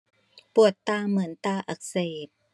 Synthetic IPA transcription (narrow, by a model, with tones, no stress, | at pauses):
pu˨˩ət̪ːaː˧˩mɯ˩˦ənt̪aː˧ʔa˧˩k̚seː˨˩p̚